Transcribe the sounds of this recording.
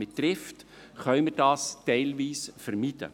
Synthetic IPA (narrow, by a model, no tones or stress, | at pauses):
mɪt̪ɾɪft | χœʏmɪɾd̥ɑːstɛɪlviːsfɛɾmid̥ə̰